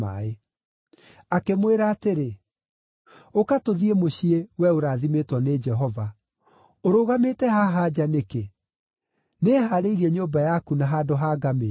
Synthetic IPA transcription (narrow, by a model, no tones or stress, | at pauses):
a̰e | akemweɾaːteɾe | okatoðiemoɕiewɛoɾaðimetwɔned͡ʒɛɦɔva | oɾoɣametɛhaɦad͡ʑaneke | neɦaɾeiɾiɛɲoːmbajakunaɦadoɦaɡame